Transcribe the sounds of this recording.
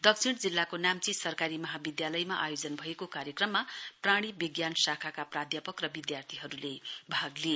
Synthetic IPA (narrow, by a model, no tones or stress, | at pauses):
d̪ʌk̚sʰiɽd͡zilːakonamt͡sisʌrkaɾimʌɦabid̪jalʌjmaʔajod͡zʌnbʱʌekokaɾjʌkrʌmːapraɽ̃ibiɡjanʌsakʰakaprad̪ʱjʌpʌkrʌbid̪jart̪ʰiɦʌɾulebʱaɡle